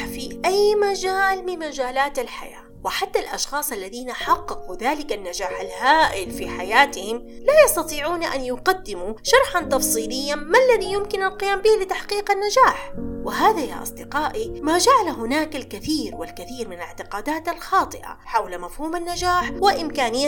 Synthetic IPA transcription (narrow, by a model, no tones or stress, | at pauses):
fiʔajmad͡ʒaːlmɪnmad͡ʒaːlaːt̪alħa̰ja̰ːwɪħat̪ːalʔɑ̰ʃxɑːsˤalːaðiːnaħɑqːɑquðaːlɪkanːad͡ʒaːħalhaːʔɪlfiħajaːt̪ɪhɪm | laːjɑsˤt̪ɑt̪ˤiːʕuːnaʔa̰njʊqad̪ːɪmuʃɑɾˤħɑnt̪ɑfsˤiːlɪjːamalːaðijʊmkɪnalqɪjaːmbɪhlɪt̪aħqiːqanːad͡ʒaːħwɪɦaːðaja̰ʔɑ̰sˤd̪ɪqɑːʔimaːd͡ʒaʕalaɦʊnaːkalkɪθiːɾwɪlkaθiːɾmɪnalɪʕt̪ɪqaːd̪aːt̪alxɑːt̪ˤɨʔa̰ħawlamafhuːmanːad͡ʒaːħwɪʔɪmkaːnɪjːa